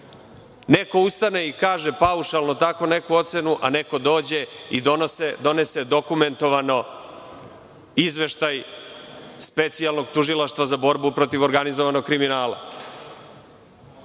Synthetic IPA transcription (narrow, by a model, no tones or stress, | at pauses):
ne̞ko̞ust̪ane̞ikaːʒe̞pauʃalˠnot̪ako̞ne̞kuo̞t̪se̞nuʔane̞ko̞d̪o̞ːd͡ʑe̞id̪o̞nosed̪o̞ne̞se̞d̪o̞kume̞nt̪o̞ʋano̞ | izʋe̞ʃt̪aj | spe̞t̪sialno̞ɡt̪uʒilˠaʃt̪ʋazabo̞ɾbupɾo̞t̪iʋo̞ɾɡanizoʋano̞ɡkɾiminaːlˠa̰